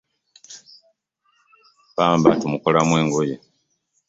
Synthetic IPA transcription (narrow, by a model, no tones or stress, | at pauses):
paːmbatumukolamwe̞ːŋɡoje